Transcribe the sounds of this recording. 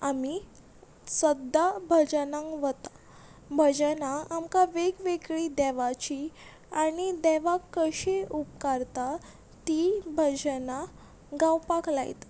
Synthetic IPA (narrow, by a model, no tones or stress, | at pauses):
ami | səd̪ʱabʱəd͡ʑənãŋɡʋət̪a | bʱəd͡ʑənaamkaʋeɡʋeɡɭid̪ɛʋat͡ɕi | aɽ̃id̪ɛʋakːəɕeup̚kaɾt̪a | t̪ibʱəd͡ʑəna | ɡawpaklajt̪